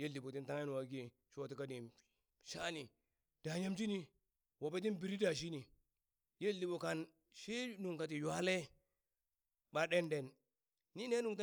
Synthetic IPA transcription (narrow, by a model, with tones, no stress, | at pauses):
je˦ldi˨bo˨ti˦nta˦ŋa˦n˨wa˨ɡi˦ | ʃo˨ti˨˦ka˦ni˨m | ʃa˦ni˨ | d̥a˨ɲa˦md͡ʒi˦ni˦ | wo˨pe˦t̬i˦nbi˨ɾi˦da˨ʃ̬i˦ni˨ | je˦ldi˨bo˨ka˨n | ʃi˦nu˨ŋka˨t̬i˨ja˦le˦ | ba˨ɗe˦nde˨nː | i˦ne˦nu˦˨ŋta˦